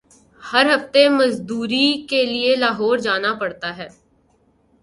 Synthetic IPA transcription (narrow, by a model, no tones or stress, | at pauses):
hɐɾɦɐft̪emɐzd̪uːɾikelielaːɦɔːɾd͡ʒaːnapɐɽt̪aɦɛː